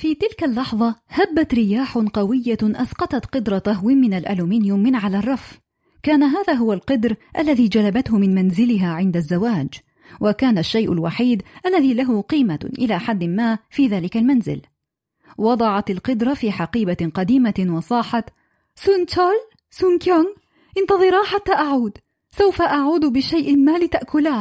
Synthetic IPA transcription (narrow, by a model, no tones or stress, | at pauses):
fiːt̪ɪlkalːɑħðˤɑhabːat̪ɾɪjaːħʊqɑwɪjːaʔasqɑt̪ɑt̪qɨd̪ɾˤɑt̪aɦwɪmɪnalʔa̰luːminɪjʊmːɪnʕalaːrˤːɑf | kaːnaɦaːðaːɦʊwalqɑd̪ɾʔalːaðiːd͡ʒalabat̪hʊmɪnmanzɪlɪɦaːʕɪnd̪azːawaːd͡ʒ | wʔakaːnaʃːajʔʊlwaħiːd̪ʔalːaðiːlaɦʊqiːmaʔɪlaːħad̪ːɪmaːfiːðaːlɪkalmanzɪ̰l | wɑd̪ˤɑʕɑt̪ɪlqʊd̪ɾˤɑfiːħaqiːbaqɑd̪iːmawɑsˤɑːħɑt̪ | sʊnt̪al | sʊnkaŋ | ʔɪnt̪ɑðˤɨɾˤɑːħat̪ːaːʔaʕuːd̪ | sawfaʔaʕuːd̪bɪʃajʔɪmaːlɪt̪aʔkʊlaː